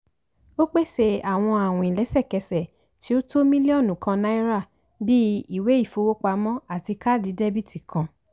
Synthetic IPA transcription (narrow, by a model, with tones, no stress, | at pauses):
o˦k͡pe˦˨se˧a˨w̃ɔ̃˧a˨wɔ̃˨ĩ˨lɛ˨˦sɛ˦˨kɛ˧sɛ˨ | ti˨˦o˦to˦mĩ˦li˦ɔ˦˨nũ˨kã˧nã˦i˦ɾa˦˨ | bi˦i˦˨we˨˦i˦˨fo˧˦wo˦k͡pa˧mɔ̃˦a˦˨ti˧ka˦˨di˨˦de˦bi˦˨tʰi˨kʰã˧